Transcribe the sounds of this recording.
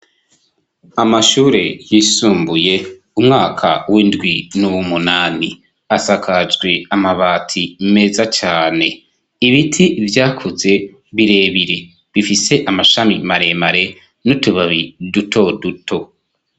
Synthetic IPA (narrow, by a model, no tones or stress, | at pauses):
amaʃuːɾe̞jisuːmbuje̞ | umŋaːkʰa̰windɡwinuwumunaːni | asakʰad͡ʒɡwe̞amaβaːtʰime̞zat͡ʃaːne̞ | iβitʰivjaːkʰuze̞ | βiɾe̞ːβiɾe̞ | βifise̞ʔamaʃamimaɾe̞maɾe̞ | nutuβaβidutʰo̞dutʰo̞